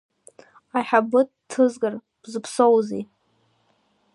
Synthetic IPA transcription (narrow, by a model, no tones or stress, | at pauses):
aħabɨttʰːɨzɡar | b̥zɨpʰsowzḛj